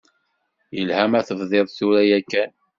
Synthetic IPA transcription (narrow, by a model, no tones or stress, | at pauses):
jəlhæmæθəvðˤeðˤθuɾæjækːæn